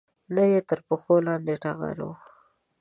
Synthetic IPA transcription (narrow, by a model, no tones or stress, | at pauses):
najet̪əɾpəxolɑnd̪eʈaɣa̰ɾo̰w